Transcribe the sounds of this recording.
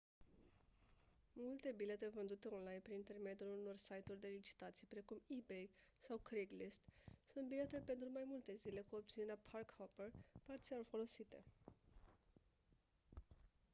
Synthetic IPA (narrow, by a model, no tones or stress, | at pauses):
mult̪e̞bile̞t̪e̞vɨnd̪ut̪e̞o̞nlajnpɾinint̪e̞rme̞d̪juluno̞rsajt̪urʲd̪e̞lit͡ʃi̥t̪at̪sijpɾe̞kumibejsawkɾiɡlist̪sunt̪̚bile̞t̪e̞pe̞nt̪ɾumajmult̪e̞zile̞kuo̞p̚t̪sine̞ɾeapʰarkhoperpart̪sialfo̞lo̞sit̪e̞̰